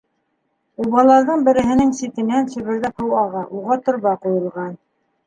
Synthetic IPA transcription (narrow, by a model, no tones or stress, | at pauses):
uβɑlˠɑɾðɤɴbɘ̆ɾɘ̆ɦɘ̆nɘŋsit̪ɘ̆nænsɵ̆βɘ̆ɾðæphɤ̆wɑʁɑʔuʁɑt̪ŏɾβɑqujɤ̆lˠʁɑn